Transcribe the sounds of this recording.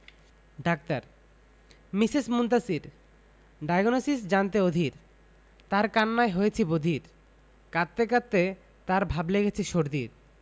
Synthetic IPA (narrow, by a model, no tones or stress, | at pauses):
ɖak̚t̪aɾ | misismunt̪asiɾ | ɖajɡonosisd͡ʑant̪eod̪ʱiɾ | t̪aɾkanːaeɦojet͡ɕʰibod̪ʱiɾ | kat̪ːekat̪ːe | t̪aɾbʱableɡet͡ɕʰiʃoɾd̪iɾ